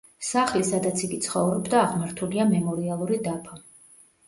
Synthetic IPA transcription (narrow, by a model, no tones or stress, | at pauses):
saχlisad̪at̪sʰiɡit̪sʰχɔvɾɔbd̪aːʁmaɾt̪ʰuliamɛmɔɾialˠuɾid̪apʰa